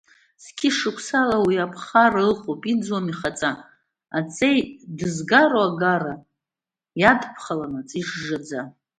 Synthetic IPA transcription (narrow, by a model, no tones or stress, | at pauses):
skʲʰɪʂɨkʷʰsalawiapʰχaralχʼopʼid͡zwamiχat͡sʼa | at͡sʼejdɨzɡaɾoaɡara | jadʰpʰχalanat͡sʼiʂʐad͡za